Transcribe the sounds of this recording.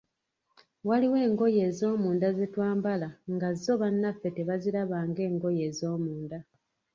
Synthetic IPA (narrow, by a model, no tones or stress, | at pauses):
waliwe̞ːŋɡo̞je̞ːzo̞ːmuːndazetwaːmbalaŋɡazːo̞βanːafːe̞te̞βaziɾaβaːŋɡe̞ːŋɡo̞je̞ːzo̞ːmuːnda